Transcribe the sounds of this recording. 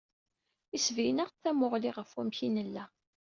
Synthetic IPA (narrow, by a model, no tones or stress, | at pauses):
isvijnəʁθæmʊʁliʁəfwæmçinəlːæ